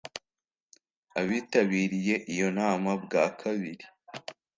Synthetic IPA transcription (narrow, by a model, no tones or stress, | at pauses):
aβiːtaβiːɾije̞ʔijo̞naːmab̚ɡaːkʰaβiɾi